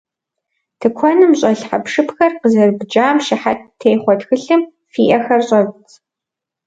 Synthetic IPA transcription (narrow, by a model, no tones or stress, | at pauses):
tʰɨkʷʰɔnɨmɕʼɐɬħa̰pʂɨpxɐrqəzɐrbd͡ʒaːmʃɪħattʰejχʷɔtxɨɬɨm | fiːʔɐxɐrɕʼɐt͡s